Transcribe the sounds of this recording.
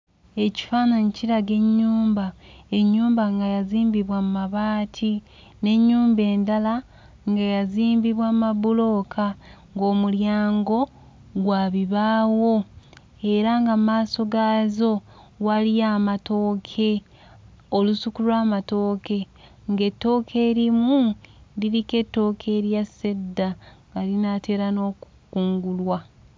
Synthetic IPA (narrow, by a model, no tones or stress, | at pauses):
e̞ci̥faːnaniciɾaɡe̞ɲːuːmbae̞ɲːuːmbaŋɡajaziːmbiβwamumaβaːtʰi | ne̞ɲːuːmbe̞ːndala | ŋɡajaziːmbiβwamabulo̞ːkʰa | ŋɡo̞ːmuljaːŋɡo̞ | ɡwaːβiβaːwo̞ | e̞ɾaŋɡamaːso̞ɡazo̞ | waliaːmato̞ːkʰe̞ | olusukulwaːmato̞ːke̞ | ŋɡe̞tːo̞ːkʰeːɾimuliɾike̞tːo̞ːkʰe̞ːɾjase̞dːaŋɡalinate̞ːɾano̞ːkukuːŋɡulwa